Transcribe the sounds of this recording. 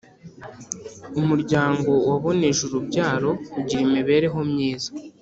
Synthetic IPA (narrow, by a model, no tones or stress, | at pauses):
umuɾɟaːŋɡo̞waβo̞neʒuɾubɟaːɾo̞uɟiɾimiβe̞ːɾe̞ɦo̞mɲiːzḁ